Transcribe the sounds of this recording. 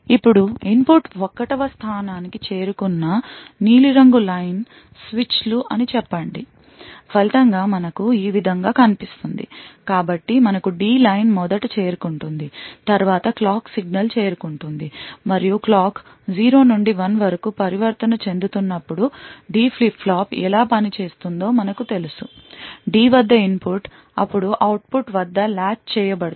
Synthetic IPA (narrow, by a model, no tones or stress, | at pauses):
ipːuɽuimpuʈɔkːɐʈɐʋɐst̪ʰaːnaːnikit͡ʃe̞ːɾukunːɐniːliɾɐŋɡulɐjn | sʋit͡ʃluʔɐnit͡ʃɛpːɐɳɖi | bɐlit̪ɐŋɡaːmɐnɐkuiːʋid̪ʱɐŋɡaːkɐnipist̪und̪ḭkaːbɐʈːimɐnɐkuɖiːlɐjnmɔd̪ɐʈut͡ʃeːɾukuɳʈund̪it̪ɐɾʋaːt̪ɐklaːksiɡnɐlt͡ʃeːɾukuɳʈund̪imɐɾijuklaːk | d͡ʒiːɾo̞ːnuɳɖiʋɐnʋɐɾɐkupɐɾiʋɐɾt̪ɐnɐt͡ʃe̞nd̪ut̪unːɐpːuɽuɖiːpʰlipʰːlaːpɛ̰laːpɐnit͡ʃe̞ːst̪und̪o̞ːmɐnɐkut̪e̞lusuɖiːʋɐd̪ːɐimpʰuʈ | ɐ̰pːuɽuʔɐwʈ̚puʈʋɐd̪ːɐlaːt͡ʃt͡ʃɛːjɐbɐɽ